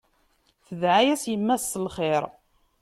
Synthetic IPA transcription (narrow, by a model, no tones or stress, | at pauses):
θəðʕajæsjəmːæsːəlχɪɾ